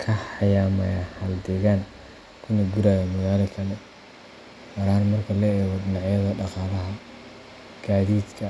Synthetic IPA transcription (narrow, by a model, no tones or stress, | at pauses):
kʰɐħɑjaːmɐhɐld̪ɛɣaːn | kʰʊnɐɡuɾaːjɐmʊɣaːlɐkʰɐlɛ | wɐɾaːnmɐrkʰɐlɛɛːɣɔd̪ɪnɑʕjɐðɐɖɑqɑːlɐɦɐ | ɡ̥aːðiːd̪kʰɐ